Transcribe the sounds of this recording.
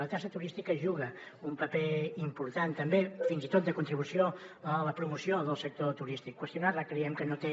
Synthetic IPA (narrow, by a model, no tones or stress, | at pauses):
lət̪asət̪uɾist̪ikəʒuɣəumpəpeimpuɾt̪ant̪əmbefinzit̪ot̪̚d̪əkunt̪ɾiβusioələpɾumusioðəlˠsək̚t̪ot̪uɾist̪ikːwəst̪junaləkɾiɛmkənot̪e